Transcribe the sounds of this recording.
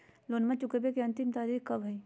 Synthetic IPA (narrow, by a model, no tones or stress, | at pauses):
loːnmãt͡ʃʊkebekeɐ̃nt̪imt̪aːɾikkɐbʱɐi